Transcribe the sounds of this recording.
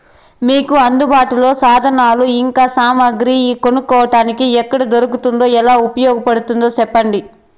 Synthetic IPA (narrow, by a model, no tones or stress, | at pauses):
miːkuɐnd̪ubaːʈulo̞ːsaːd̪ʱɐnaːluiŋkaːsaːmɐɡɾikonukːɔːʋɐʈaːnikiɛkːɐɽɐd̪oɾukut̪und̪o̞ːɛlaːupɐjɔːɡɐpɐɽut̪und̪o̞ːt͡ʃɛpːɐɳɖi